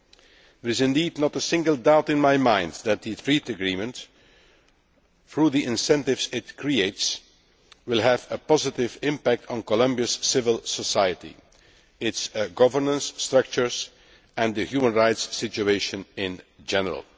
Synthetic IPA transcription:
ðəɾɪzɪ̃ndiːdnətəsɪ̃ŋɡəlˠdaʊtɪ̃nmaɪmãɪ̃ndðæt̪̚ðɨθɹitɨɡɹĩmə̃nt | θɹuːðiʔɪ̃nsɛ̃ntɪvzɪtkʰɹieɪts | wɪlˠɦəvəpɑzɪtɪvɪ̃mpæk̚tʰn̩kɔlʌ̃mbiɨsːɪvəlˠsəsaɪɨtḭ | ɪtsɡʌvə˞nə̃nsːtɹʌk̚t͡ʃə˞z | ɨ̃nðɨhjumə̃nɹaɪtsːɪt͡ʃueɪʃɨ̃nɪ̃nd͡ʒɛnəɹə̰lˠ

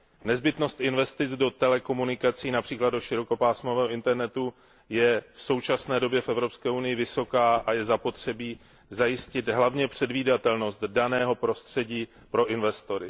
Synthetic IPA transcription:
nɛzbɪt̪no̞st̪ʔɪnvɛst̪ɪt͡sdo̞t̪ɛlɛko̞munɪkat͡siːnapr̝̥iːkladoʃɪɾo̞ko̞paːsmovɛːɦoɪnt̪ɛɾnɛt̪u | jɛfso̞wt͡ʃasnɛːdo̞bjɛfɛvɾo̞pskɛːunɪjɪvɪso̞kaːʔajɛzapo̞t̪r̝̥ɛbiː | zajɪscɪd̪ɦlavɲɛpr̝̥ɛdviːdat̪ɛlno̞st̪danɛːɦo̞pɾo̞st̪r̝̥ɛɟiː | pɾo̞ʔɪnvɛst̪o̞ɾɪ

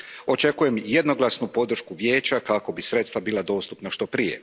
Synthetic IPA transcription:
o̞t͡ʃe̞kuje̞mje̞d̪no̞ɡlˠasnupo̞d̪r̩ʃkuʋje̞ːt͡ɕakako̞bisɾe̞t̪st̪ʋabiːlˠad̪o̞ːst̪upnaʃt̪o̞pɾije̞̰

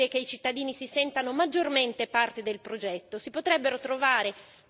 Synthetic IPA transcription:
ekeit͡ʃit̪ːad̪iːnisisɛnt̪anomad͡ʒːorment̪epart̪ed̪elpɾod͡ʒɛt̪ːosipot̪ɾɛbːeɾot̪ɾovaːɾe

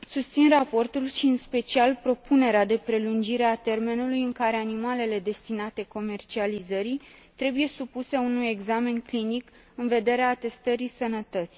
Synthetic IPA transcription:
sust̪sinrapo̞rt̪ulʃiɨnspe̞t͡ʃialpɾo̞pune̞ɾead̪e̞pɾe̞lund͡ʒiɾe̞at̪e̞rme̞nulujɨŋkaɾe̞animale̞le̞d̪e̞st̪inat̪e̞ko̞me̞rt͡ʃializəɾit̪ɾe̞buje̞supuse̞unuje̞ɡzame̞nklinik | ɨnve̞d̪e̞ɾeat̪e̞st̪əɾisənət̪ət̪si

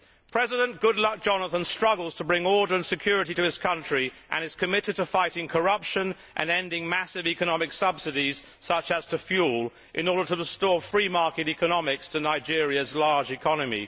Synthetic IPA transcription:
pʰɹ̥ɛzɪɾə̃nɡ̥ʊdˡlʌk̚d̥ʒ̥ɑnəθə̃nstɹ̥ʌɡl̩ˠz̥tʰəbɹɪ̃ŋɔɹɾə˞ɨ̃nsɨkʰj̥ʊɹɨɾiɾɨɪzskʰʌ̃nt͡ʃɹ̥iʔɨ̰̃nɨz̥kʰɨmɪɾɨd̚tʰəfaɪɾɪ̃ŋkʰə˞ʌpʃɨ̃n | ʔɨ̰̃nɛ̃ndɪ̃ŋmæsɨvikənɑmɨksʌbsɨɾiz̥ | sʌt͡ʃəz̥tʰɨfjulˠ | ʔɨ̰̃nɔɹɾə˞ɾəɹəstɔɹfɹimɑɹkɨɾikənɑmɪkstʰɨnaɪd͡ʒɪɹiɨzlɑɹd͡ʒɨkʰɑnɨmḭ

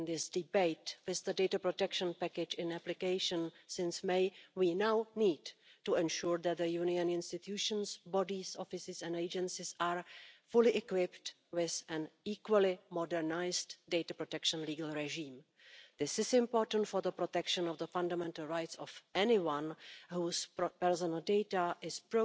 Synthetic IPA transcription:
nðɪsdɪbeɪtwɪzðədejtapɹotɛkʃə̃npækɪd͡ʒɪ̃næplɪkeɪʃə̃nsɪ̃nsmejwiːnawniːdtuɛ̃nʃuːɹðɛt̪̚ðəjuniə̃nɪ̃nstɪt̪ʰjuʃə̃nsbɔdisɔfɪsɪsɛ̃neɪd͡ʒɛ̃nsɪsaːɹfʊlɪʔɛkwɪpt | wɪzɛ̃niːkwəlɪmɔdɛɹnajsddejtapɾotɛkʃə̃nliːɡəl̩ˠɹɛʒĩːm | ðɪsɪsɪ̃mpoːɹtə̃n̩tfɔɹðəpɾotɛkʃə̃nɔvðəfãndamɛ̃ntəlɹajtsɔfɛnɪwãnhuːspɛɹsɔnəlˠdejtaʔɪspɹo

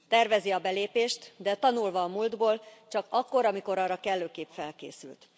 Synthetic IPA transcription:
t̪ɛrvɛziɒbɛleːpeːʃt̪d̪ɛt̪ɒnulvɒːmuld̪boːlt͡ʃɒkɒkːo̞ɾɒmiko̞ɾɒrɒkɛlːøːkeːpfɛlkḛːsy̰lt̪

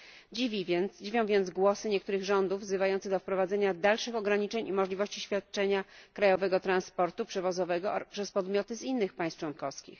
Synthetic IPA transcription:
d͡ʑivʲivʲjɛnt̪sd͡ʑivʲjɔ̃w̃vʲjɛnzɡwɔsɘɲɛk̚t̪uɾɘɣʐɔnd̪uvvzɘvajɔnt̪sɛɣd̪ɔfpɾɔvad̪zɛɲad̪alʂɘxɔɡɾaɲit͡ʂɛɲimɔʐlʲivɔɕt͡ɕiɕfʲat̪̚t͡ʂɛɲakɾajɔvɛɡɔt̪ɾanspɔɾt̪upʂɛvɔzɔvɛɡɔpʂɛspɔd̪mʲjɔt̪ɘzinːɘxpaj̃st̪t͡ʂwɔnkɔfskʲḭx

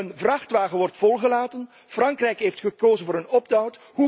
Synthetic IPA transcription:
ənvrɑχtʋaːɣənʋɔrtfɔlˠχəlaːtən | frɑŋkrɛjkɦeːftχəkoːzənvʊːɾənɔbdɔwt | ɦu

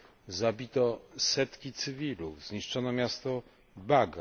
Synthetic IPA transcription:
zabʲit̪ɔsɛt̪kʲit̪sɘvʲiluvzɲiʂt͡ʂɔnɔmʲjast̪ɔ | baɡa

